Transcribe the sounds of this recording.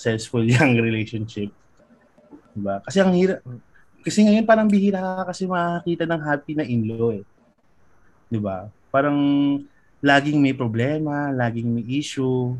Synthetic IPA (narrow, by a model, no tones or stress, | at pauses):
sɛsfʊljɐŋɾɛlejʃonʃɪp̚ | d̪̥ɪbakɐsɛɐŋhiːɾɐp̚ | kɐsɛŋɐjopaːɾɐŋbihiːɾaːkɐkɐsɛmɐʔakiːt̪ɐnɐŋɦaːpinɐʔɪnlo̞ʔɛ | d̪ɪbapaːɾɐŋ | laːɡɪŋmɐjpɾoblɛːmɐlaːɡɪŋmɐjʔiːʃʊ